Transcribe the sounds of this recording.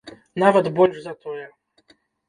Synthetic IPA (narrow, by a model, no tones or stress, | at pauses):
navɐd̪bɔlʲʐzat̪ɔjɛ